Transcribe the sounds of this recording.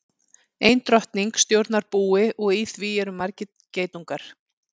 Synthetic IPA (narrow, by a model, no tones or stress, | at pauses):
ejnt̪ɾœht̪niŋkst̪jowɾt̪naɾpuːɪʔɔɣiθviːjɛɾʏmaɾcɪ | ceːjt̪uŋkaɾ̥